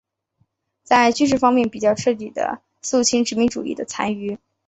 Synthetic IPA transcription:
t͡sa˥˧ɪt͡ɕy˥nʂ̬ɻ̩˥˩fɑ˥ŋmjɛ˥˩npi˨˩t͡ɕjɑ˥˧ʊʈ͡ʂʰɤ˥˩t̪̬i˨˩d̪ə̰˩ | st͡ɕʰi˧˥ŋʈ͡ʂɻ̩˧˥mi˧˥ŋʈ͡ʂṵ˨˩ḭ˥˩d̪ə˩t͡sʰa˥ny˥˩

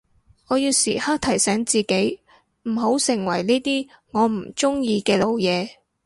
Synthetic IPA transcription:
ŋɔː˨˧jiː˧wsḭː˨˩haː˥k̚t̪ʰɐ˨˩jsɛː˨˥ŋt͡siː˨ke˨˥j | m̩˨˩ɦo˨˥wsɪ˨˩ŋwɐ˨˩jniː˥t̪iː˥ | ŋɔː˨˧m̩˨˩t͡sʊ˥ŋjiː˧kɛː˧lo˨˧wjɛː˨˧

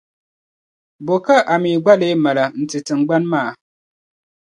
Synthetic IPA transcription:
bo˨ka˦ʔa˨mi˨ɡ͡ba˦le˦ma˨la˨n̩˨ti˨tɨ˨ŋ˨˦ɡ͡ba˦nmaː˦˨

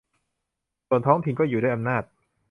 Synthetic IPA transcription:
su˨˩ənt̪ʰɔː˦˥ŋt̪ʰi˧nkɔː˥˩juː˨˩daː˥˩ʔa˧mnaː˥˩t̪̚

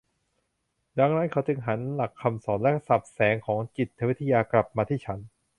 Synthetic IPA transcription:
da˧ŋna˦˥nkʰa˦˥wt͡ɕɯ˧ŋɦa˩˦nla˨˩kʰːa˧msɔː˩˦nlɛ˦˥sa˨˩p̚sɛː˩˦ŋkʰɔː˩˦ŋt͡ɕi˨˩t̪̚ʰːa˧wi˦˥t̪ʰːa˧jaː˧kla˨˩p̚maː˧t̪ʰiː˥˩t͡ɕʰa˦˥n

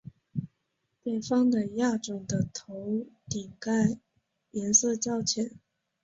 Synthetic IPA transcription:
t̪we˥˩ɪfɑ˥ŋd̪ə˨ja˥˩ʈ͡ʂʊ˨˩ŋd̪ə˦t̪ʰo˧˥ʊt̪i˨˩ŋka˥˩ɪ | jɛ˧˥nsɤ˥˧t͡ɕjɑ˥˧ʊt͡ɕʰjɛ˨˩˦n

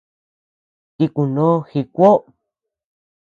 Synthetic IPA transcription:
t̪i˧ku˨nõ˦xi˧kʷo˦

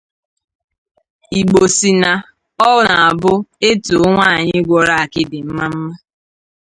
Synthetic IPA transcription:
i˨ɡ͡bo˨si˨na˨ | ɔ˦ʊ˦na˨a˨bʊ˦e˦tu˨˦ŋʷa˦a˨ɲɪ˦ɡʷɔ˨ɾa˦a˨kɪ˦dɪ˨m̩˦ma˦m̩˦ma˦

